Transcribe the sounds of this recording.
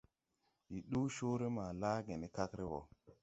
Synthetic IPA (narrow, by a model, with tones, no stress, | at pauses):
ji˨ɗu˦ʃo˦ɾe˦ma˨laː˦ɡe˨ne˨ka˦kɾe˦wɔ̰˨